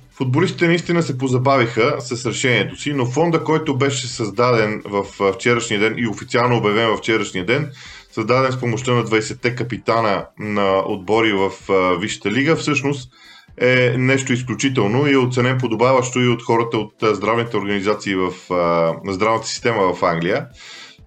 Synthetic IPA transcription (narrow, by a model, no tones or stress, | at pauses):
fʊd̪bolist̪i̥t̪ɛnɐist̪inəsɛpozɐbavixəsɐsɾɛʃɛniɛt̪osinofɔnd̪əkɔjt̪obɛʃɛsɐzd̪ad̪ɛnvəfft͡ʃɛɾəʃnijəd̪ɛnʔiofit̪sialˠnoːbjɐvɛnvɐft͡ʃɛɾəʃnijəd̪ɛn | sɐzd̪ad̪ɛnspomoʃt̪ənɐd̪vɐisɛt̪ːɛkəpit̪anənɐo̰d̪̚bɔɾivəfviʃə̥t̪əliɡəfsɤʃnost̪ | ɛnɛʃt̪oisklʲut͡ʃit̪ɛlˠnoiɛot̪sɛnɛmp̬od̪obavəʃt̪oiot̪xɔɾət̪əot̪ːzd̪ɾavnit̪ɛoɾɡənizat̪siːvəfnɐzd̪ɾavnət̪ə̥si̥st̪ɛməvɐfaŋɡlʲijə